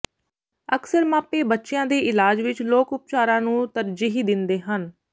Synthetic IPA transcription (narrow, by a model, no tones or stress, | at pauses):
əksəɾmaːpeːbətːʃɪjãːd̪eːʔɪlaːd͡ʒʋɪt͡ʃloːkʊp̚t͡ʃaːɾãːnũːt̪əɾd͡ʒiːɦid̪ɪnd̪eːɦən